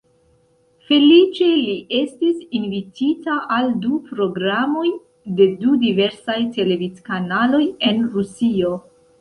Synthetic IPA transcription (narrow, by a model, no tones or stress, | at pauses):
fe̞lit͡ʃe̞liʔe̞stisinvititaʔaldupɾo̞ɡɾamo̞j | de̞dudive̞ɾsajte̞le̞vitkanalo̞je̞nɾusio̞